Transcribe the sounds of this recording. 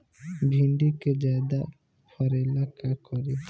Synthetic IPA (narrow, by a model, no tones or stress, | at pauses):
bʱiɳɖiked͡ʒad̪a | pʰɔɾelakakɔɾi